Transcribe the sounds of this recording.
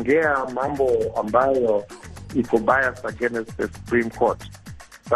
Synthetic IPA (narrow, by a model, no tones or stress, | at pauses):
ŋɡɛamambʱɔambʱajɔikʰɔbajasaɡɛnɛsdɛsu̥pʰrimkʰɔtʰ | sa